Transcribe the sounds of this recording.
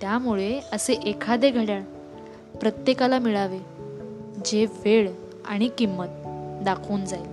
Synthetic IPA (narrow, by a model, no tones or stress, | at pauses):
t̪jamuɭeəseʔekʰad̪eɡʱəɽjaɭ | pɾət̪jekalamiɭaʋe | d͡ʑeʋeɭ | a̰ɽ̃ikimːət̪̚d̪akʰoːnd͡zajl